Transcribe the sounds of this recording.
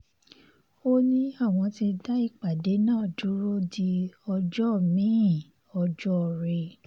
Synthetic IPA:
o˦nĩ˦a˦˨w̃ɔ̃˧ti˧da˦i˦˨k͡pa˨de˨˦nãː˦˨du˨˦ɾo˦di˧ɔ˧d͡ʒɔ˦˨mĩ˨˦˨ | ɔ˧d͡ʒɔ˦˧ɾe˧

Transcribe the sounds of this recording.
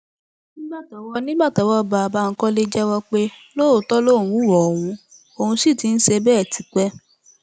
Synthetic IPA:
nĩ˦ba˦˨tɔ˨˦wɔ˦nĩ˦ba˦˨tɔ˨˦wɔ˧ba˨ba˧˦˧ŋ̩˦kɔ˦le˦d͡ʒɛ˦wɔ˧k͡pe˦lo˦o˨tɔ˦lo˦˨ũ˨˦˨wɔ˨o˨w̃ũ˧ | o˧hũ˧si˦˨ti˨˦n̩˦ʃe˧bɛː˦˨tʰi˨˦k͡pɛ˦

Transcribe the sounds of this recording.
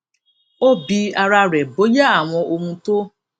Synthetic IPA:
o˦bi˧a˨ɾa˧ɾɛ˨bo˨˦ja˦a˨ŋʷɔ˧o˦ŋũ˦to˦

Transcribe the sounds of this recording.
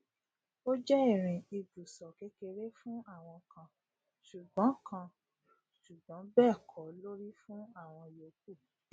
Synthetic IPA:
o˦d͡ʒɛ˦i˦˨ɾ̃ĩ˨i˧bu˨sɔ˨ke˨˦ke˧ɾe˦fũ˦a˦˨w̃ɔ̃˧kã˧ | ʃu˨ɡ͡bɔ̃˨˦kʰã˧ | ʃu˨ɡ͡bɔ̃˨˦bɛː˦˨kʰɔ˨˦lo˦ɾi˦fũ˦a˦˨w̃ɔ̃˧jo˨ku˦˨

